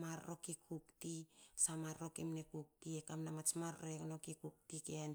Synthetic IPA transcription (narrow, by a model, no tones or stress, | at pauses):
maɾːokikʰuktisamaɾro̞kemnekuk̚tiekamnamat͡ʃmaɾɾoekno̞kikuk̚tikean